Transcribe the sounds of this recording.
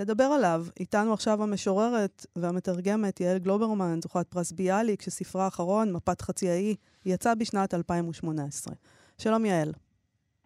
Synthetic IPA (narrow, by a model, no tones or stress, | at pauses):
le̞d̪abe̞ʁalavitanuaχʃavhame̞ʃoʁe̞ʁe̞tveame̞t̪aʁɡe̞me̞tjaelɡlo̞be̞ʁmanzuχat̚pʁasbialikʃesifʁaːχaʁo̞nmapat̪χat͡siai | jat͡sabiʃnatalpaimuʃmo̞neesʁḛ | ʃalo̞mjael